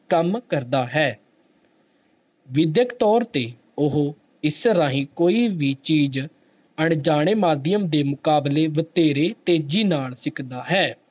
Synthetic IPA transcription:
kəmkəɾd̪aːɦɛː | ʋɪd̪jəkt̪ɔːɾt̪eː | ʊɦoː | ɪsɾaːɦĩːkoːiːʋiːt͡ʃiːd͡ʒ | əɳd͡ʒaːɽ̃eːmaːd̪ɪjəmd̪eːmʊkaːbleːʋət̪eːɾeːt̪eːd͡ʒiːnaːlsɪkʰd̪aːɦɛː

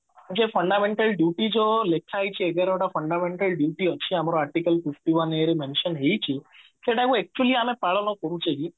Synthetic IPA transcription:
d͡ʒefʰəɳɖamẽɳʈəlɖjuʈid͡ʒolekʰajt͡ʃʰieɡaɾaʈapʰəɳɖamẽɳʈəlɖjuʈiət͡ʃʰiamɾoaɾʈikəlfifʈiʋəneɾemẽnʃənɦejt͡ʃʰi | keʈakũɛk̚t͡ʃuəliamẽpaɭɔnɔkɔɾũt͡ʃʰeɡi

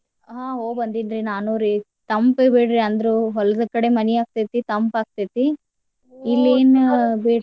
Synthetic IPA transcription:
ɦaːɦoːbɐnd̪inɾinaːnoːɾi | t̪ɐmpebeːɽɾiɐnd̪ɾuɦɔlɐd̪ɐkɐɽemɐniaːk̚t̪it̪ːit̪ɐmpaːk̚t̪ɐt̪ːiː | lːeːnbeː

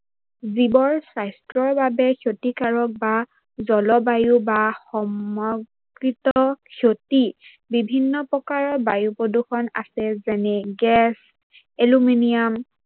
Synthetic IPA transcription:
zibɔɹsajstɹɔɹbabɛkʰjotikaɹɔk̚ba | zɔlɔbajubaxɔmɔɡkɹitɔkʰjoti | bibʱinːɔpɹɔkaɹɔbajupɹodukʰɔna̰sɛzɛnɛɡɛs | eluminiam

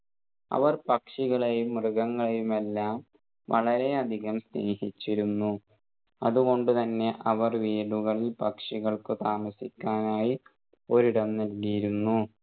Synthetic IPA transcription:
ɐ̰ʋɐrpɐkʂiɣɐɭejumrɨɣɐŋːɐɭejume̞lːaːm | ʋɐ̰ɭɐɾe̞ɐd̪ʱiɣɐmsne̞ːhit͡ɕːiɾunːu | ɐðuɣo̞ɳɖɨt̪ɐnːe̞ʔɐʋɐrʋiːɭuɣɐɭilpɐkʂiɣɐɭkɨt̪aːmɐsikʲːaːnaːji | o̞ɾiɽɐmnɐlɣijiɾunːu

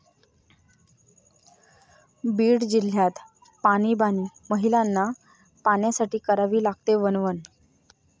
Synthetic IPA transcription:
biːɽd͡ʑil̤ːjat̪ | paɽ̃iːbaniːməɦilanːa | paɳjasaʈiːkəɾaʋiːlaɡ̚t̪eʋənʋən

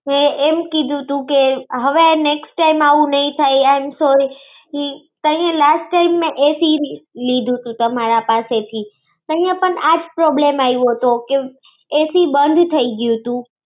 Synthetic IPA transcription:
ɛ̃eːmkĩd̪ʱũt̪ũkeɦɐʋeneːksʈʈaːɪmaːʋũnɐĩt̪ʰaːiaɪmsoːɾi | ɦi | t̪ɐ̃ɦĩãlaːsʈːaɪmːẽʔeːsiliːd̪ʱũt̪ʰũt̪ɐm̤aːɾapaːset̪ʰiː | t̪ɐ̃ɦĩjãpənaːd͡ʒpɾɔːblẽːmaːiʋot̪ʰoke | eːsibə̃nd̪ʱt̪ʰɐiɡijũt̪ũ

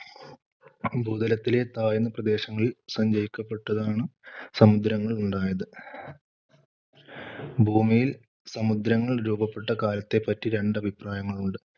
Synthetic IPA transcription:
bʱuːd̪ɐlɐt̪ːile̞t̪aːjunːɐprɐd̪e̞ːɕɐŋːɐɭilsɐɲd͡ʑɐjikʲːɐpːe̞ʈːɐðaːɳɨsɐmud̪ɾɐŋːɐɭuɳɖaːjɐðɨ | bʱuːmijil | sɐmud̪ɾɐŋːɐɭɾuːbɐpːe̞ʈːɐkaːlɐt̪ːe̞pɐtːiɾe̞ɳɖɐbʱipraːjɐŋːɐɭuɳɖɨ

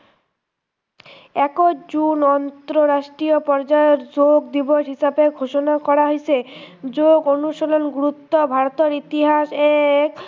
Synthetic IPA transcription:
ɛkod͡ʑunɔnt̪ɾoɾaʃʈɾiopɔɾd͡ʑaeoɾd͡ʑoɡd̪iboʃɦiʃabeɡʱoʃonakɔɾaɦojt͡ɕʰed͡ʑoɡonuʃolonɡuɾut̪ːobʱaɾot̪oɾit̪iɦaʃek

